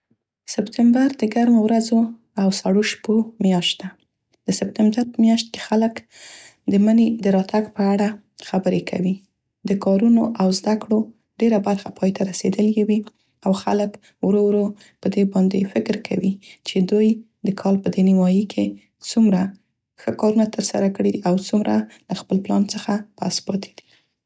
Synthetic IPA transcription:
sɪpt̪ɪmbaɾd̪əɡaɾmowɾazo | awsaɽoʃpomjɑʃt̪d̪a | d̪əsɪp̚t̪ɪmbaɾmjɑʃt̪̚ke̥xalək | d̪əməned̪əɾɑt̪ʰaɡpəaɽa | xabəɾekʰa̰wi | d̪əkɑɾunoʔawzd̪akɽo | ɖeɾabaɾxapʰɑjt̪ʰaɾased̪əljewi | awxa̰lək | wɾowɾo | pəd̪ebɑnd̪efɪkɾkʰawit͡ʃed̪uj | d̪əkʰɑlpəd̪eniwɑjikʰe | t͡sumɾa | xəkɑɾunat̪əɾsa̰ɾakəɽeiʔawt͡sumɾalaxpəlplɑnt͡səxapa̰spɑt̪ʰe̥d̪̥i̥

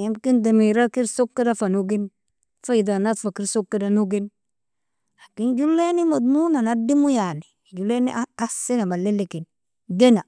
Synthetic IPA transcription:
jemkindamiɾakiɾsokːadafanuɡin | faidanat̪fakiɾsokːadanuɡin | akind͡ʒulːenimod̪munanadimujalid͡ʒulːeniasinamalːelːikin | ɡena

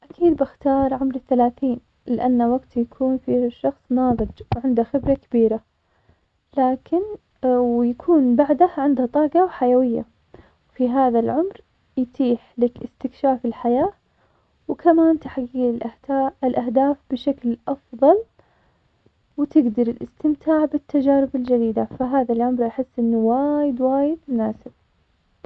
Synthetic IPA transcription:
ʔakʰiːd̪̚bɪxt̪ɑːɾˤʕʊmɾɪθːalaːθiːn | lɪʔanːawaɡt̪jakʰuːnfiʃːɑxsˤmaːðˤɑd͡ʒwʕɪnd̪axɪbɾˤakabiːɾa | laːkɪn | wjakʰuːnbaʕd̪aʕɪnd̪hat̪ˤɑːɡɑwħajawɪjːa̰ | wfiɦaːðalʕʊmɾ | jt̪iːħlɪkʔɪst̪ɪkʃaːfɪlħajaː | wkʰamaːnt̪aħɡiːlɪlʔaɪlʔahd̪aːfb̥ɪʃaklʔɑfðˤɑl | wɪt̪ɪɡd̪ɑɾˤɪlʔɪst̪ɪmt̪ʰaːʕbɪt̪ːad͡ʒaːɾɪbɪld͡ʒad̪iːd̪afaɦaːðalʕʊmɾˤʔaħɪsːʔɪnːuwaːjɪd̪waːjɪd̪mʊnaːsɪb̥̚

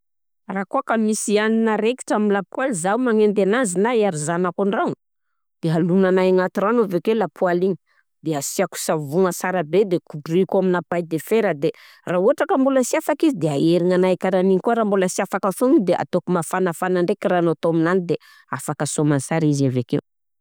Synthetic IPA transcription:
raːkoakamisianinaɾeki̥ʈ͡ʂamilapwalizawmaŋend̪enazinaaɾizanakaɳɖ͡ʐawŋ | d̪̥eɦalunanajaŋat̪iranovekelapʰualiɲi | d̪easiaku̥savuŋəsaɾabed̪ekuduikuaminapajd̪efeɾəd̪e | rauɦaʈ͡ʂakambuləsiafakizid̪eaeɾiŋanajkaɾaniɲikuaɾambolasiafakafunid̪eʔa̰t̪okumafanafanaɳɖ͡ʐekiraːnot̪oaminanid̪e | afakəsomansaɾizavekew

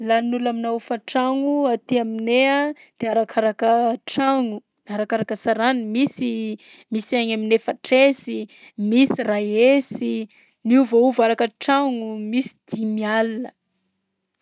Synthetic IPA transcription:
lanulaminaufaʈ͡ʂaŋuat̪iaminea | d̪̥eaɾakʰaɾakəʈ͡ʂaŋu | aɾakaɾakəsaɾanimisi | misaɲaminefəʈ͡ʂesi | misirajesi | niuvauvaɾakəʈ͡ʂaŋumisi̥d̪̥imialinə

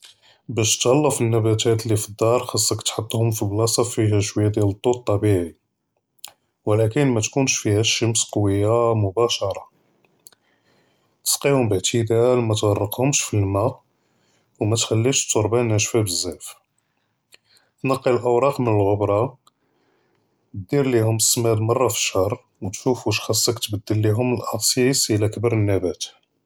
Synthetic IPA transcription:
bæʃt̪ɣɑlːəfənːæbæt̪æt̪lifəd̪ːɑɾˤxɑsˤːɑkt̪ħət̪ˤːhʊmfiblɑsˤɑfiɦæʃwəjːæd̪jælət̪ˤːut̪ˤːɑbiʕi | wəlækənmæt̪kunʃfihæʃːəmsqwəjːamʊbæʃɑɾˤɑ | t̪ə̥sqihʊmbəʕt̪ʰəd̪ælmæt̪wɑrˤːəqhʊmʃfilmæ | wmæt̪xælːiʃt̪ːoɾˤbænæʃfæbəzːæf | tnɑqːilʔəwɾˤɑqmənəlɣʊbɾˤɑ | d̪iɾlihʊməsːmæd̪mɑrˤːɑfi̥ʃɑɾˤ | wt̪ʃufuʃxɑsˤːəkt̪bəd̪ːəlːiɦʊməlʔɑtsˤisəlækəbɑɾˤənːæbæt̪

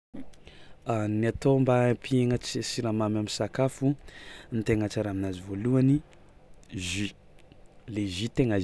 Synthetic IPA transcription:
aniat̪ombapieŋət͡ssiɾamamaminsakafunit̪eŋat͡ʃaɾaminazivoluani | ʒy | leʒit̪eŋaz

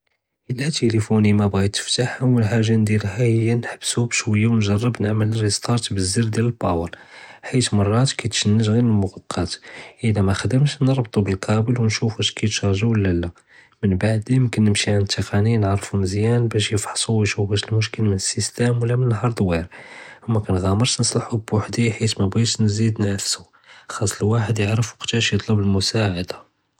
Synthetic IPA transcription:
ʔəlːæt̪elifunimæbɣijt̪ːə̥ft̪aħhawəlħaʒːand̪iɾɦæhəjːænħəbːsubʃwəjːawnʒɑrˤːəbnəʕmələrist̪ˤɑɾˤt̪bəzːiɾd̪jæləlbɑwəɾ | ħit̪mɑrˤːɑt̪kæt̪ʃənːəʒɣinəlmʊɣɑqʰːɑt̪ʔəlæmæxəd̪əmt̪nəɾˤbt̪ˤubəlqʰɑbəlwnʃufæʃkæjt̪ʃɑɾˤʒuwəlːælːæ | mənbaʕd̪imkənːəmʃiʕant̪ʰːəqʰɑninʕɾˤfumzjænbæʃjəfħsˤuwiʃufæʃəlmʊʃkəlmənəsːist̪æmwəlːæmənənːɦɑɾˤd̪ˤwiɾmːækænɣæməɾˤt̪nəsˤlɑħubwaħd̪iħit̪mæbit̪nzid̪næfsu | xɑsˤːəlwaħəd̪jəʕɾəfuqt̪æʃjət̪ˤləbəlmʊsaʕad̪ḁ

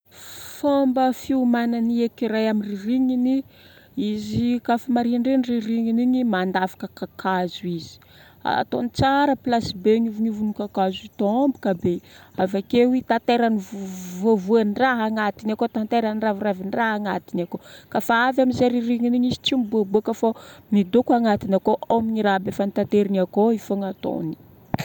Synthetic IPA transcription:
fambəfiumananiekiɾajamiririŋini | izikafamaɾiɳɖ͡ʐenririŋiniɲimand̪afḁkəkakʰazuizi̥ | a̰t̪onit͡saɾəplasibeɲuvuɲuvunukakazit̪ombikəbeavakewit̪at̪eɾanivvovuaniraɦaŋat̪inakot̪ant̪eɾaniraviraviniraɦaŋat̪inakokafaavamizeɾiriŋiniɲizi̥t͡ʃimibuabuakafonid̪okuaŋat̪inakoʔomiɲiɾaɦbefanit̪at̪eɾiniakoifoŋat̪o̰ni̥

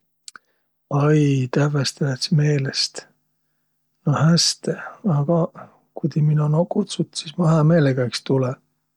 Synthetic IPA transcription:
ɑjt̪ævest̪ɑlesme̞ːlest̪ | nohæst̪eɑɡ̥ɑ | kujd̪iminunokːut̪sut̪sismɑɦɑme̞ːleɡ̥ækst̪ulɛ

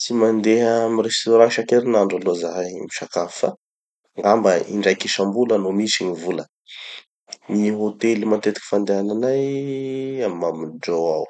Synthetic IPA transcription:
t͡simand̪eɦamirest̪oɾãʃakeɾinaɳɖ͡ʐalozaɦmiʃakafə | ŋɡambəḭɳɖ͡ʐajkiʃambulənomisiɲivulə | niɦot̪elimant̪et̪ikʲi̥fand̪eananaj | amimamind͡ʒowaw

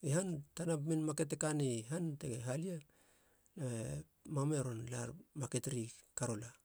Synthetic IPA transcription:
ihantanapminmake̞tekaniɦante̞ɡeɦalia | na | mame̞ɾo̞nla̰ɾmaketɾikaɾo̞la

